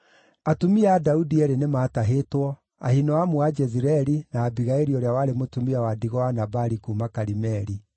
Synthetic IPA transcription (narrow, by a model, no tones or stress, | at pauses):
atumiadaudiɛɾenemaːtaɦetwɔ | a̰hinɔamuad͡ʒɛziɾɛɾinaːbiɣaeɾiɔɾeawaɾemotumiawadiɣɔanabaɾikumakaɾimɛɾi